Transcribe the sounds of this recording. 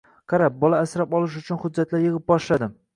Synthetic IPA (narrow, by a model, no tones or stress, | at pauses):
qʰɑɾap̚bɒlaːsɾapɒlˠɪʃ̬ʊt͡ʃʰʊnhʊd̪d͡ʒːat̪lajɨʁɨp̚bɒʃlad̪ɪ